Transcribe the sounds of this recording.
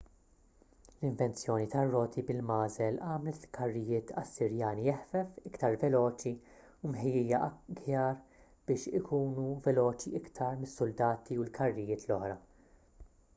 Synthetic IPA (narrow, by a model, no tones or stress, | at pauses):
lɪɱvɛnt͡sjɔːnit̪ɐrːɔːt̪ʰibɪlmɐːzɛlɐːmlɛt̪ɪlkʰɐrːɪjɪːt̪ʰɐsːɪɾjɐːnijɛħfɛfɪkt̪ɐɾvɛlɔːt͡ʃi | umħɪjiːjɐɡjɐːɾ | b̥ɪːʃɪkʰuːnuvɛlɔːt͡ʃiɪkt̪ʰɐɾmɪsːʊld̪ɐːt̪iulkʰɐrːɪjɪːt̪lɔħɾɐ